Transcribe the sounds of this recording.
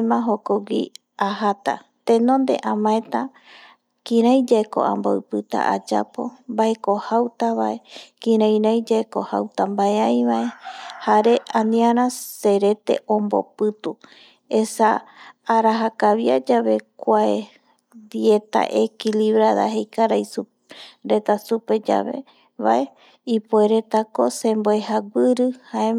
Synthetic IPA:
mãɦokoɡi | aɦat̪a̰ | t̪ẽnõ̞nd̪e̞̰ʔãmãet̪a | kĩɾ̃ajd͡ʒaeko̰ʔa̰mboɨpɨt̪a̰ʔad͡ʒa̰po̞̰mbaekohawt̪aβae̞kĩɾãj̃ɾajd͡ʒaeko̞hawt̪ambaeãjβae̞haɾe̞ãnĩaɾãse̞ɾe̞t̪e̞̰ʔõmbo̞̰pɨt̪u | esaː | ɾaɦakaβjad͡ʒaβe̞kʷae | d̪iet̪a̰ʔekiliβɾaða̰ɦe̞jkaɾajsu | ɾe̞t̪asupe̞d͡ʒa̰βḛ | βa̰ʔe | ipoeɾe̞t̪ako̞sẽ̞mboehaɡʷɨɾɨhae

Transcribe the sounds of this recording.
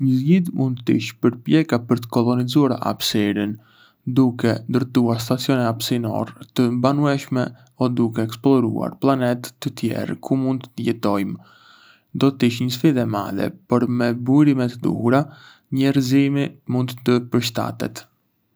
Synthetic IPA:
ɲəzɟiðmund̪t̪ːḭʃpəɾpjɛkapəɾt̪ə̥kɔlɔnizuaɾaʔa̰bsɛɾən | d̪ukɛnd̪əɾt̪uaɾs̬t̪at͡sijɔnɛapsinɔ̰ɾt̪əbanuɛʃmɛ | ɔd̪uk̬ɛɛksplˠɔɾṵa̰ɾplˠanɛt̪ːət̪jɛ̰ɾkʰumund̪t̪əjɛt̪ɔjm | d̪ɔt̪iʃɲəsfiðɛma̰ðɛ̰pɔɾmɛbujɾimɛt̪əd̪ṵhuɾa | ɲɛɾzimimund̪t̪əpəɾʃ̬t̪a̰t̪ɛ̰t̪

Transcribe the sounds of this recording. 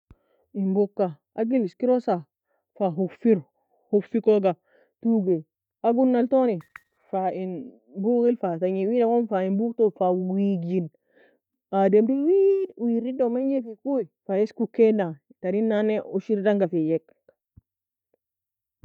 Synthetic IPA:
imbukːa | aɡiliskiɾosa | faɦukfiɾ | hukfikoɡa | tuɡe | aɡunːaltoni | fain | buɡilfataɲiwidakonfainbuktofawiɡin | ademdiwiwiɾidomeɲefikuifajeskukːena | taɾinːaneuʃiɾdaŋɡafejek̚

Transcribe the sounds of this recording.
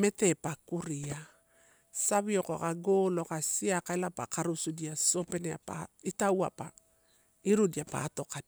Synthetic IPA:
me̞te̞pakuɾia | saβio̞kokaɡolo̞kasiakaelapa̰kaɾusudiaso̞pe̞nea̰pa̰itawa̰pa | iɾudiapa̰to̞kad

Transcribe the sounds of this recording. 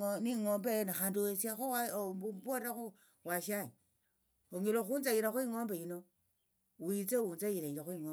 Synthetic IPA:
niŋombenaxanduwesiaxoapoɾaxo | waʃaɲi | oŋiloxunt͡sajiɾaxwiŋombejino | wit͡sewunt͡sajiɾeŋɡexwiŋo

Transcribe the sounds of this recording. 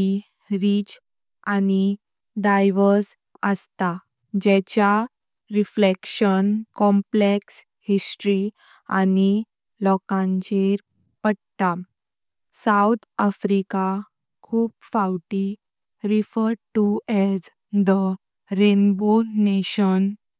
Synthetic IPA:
i | ɾit͡ɕ | ani | ɖajʋəɾs | əst̪a | d͡ʑɛt͡ɕja | ɾiflekɕənkɔ̃mpleks | hisʈɾi | a̰ni | lɔkãɲt͡ɕeɾ | pəɽt̪a | saut̪ʰafɾika | kʰuːpfawʈi | ɾifəɾɖʈuɛz | d̪ə | ɾenbuneɕən

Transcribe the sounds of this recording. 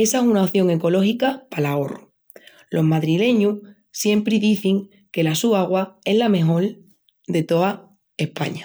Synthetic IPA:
e̞saesunaoθjo̞ŋe̞ko̞lo̞xikapalao̞ru | lo̞ɦmaðɾile̞ɲu | sje̞mpɾiðiθiŋ | ke̞lasuaɣ̞wae̞ɦlame̞ɦo̞l | d̪e̞t̪o̞a | ehpa̰ɲa

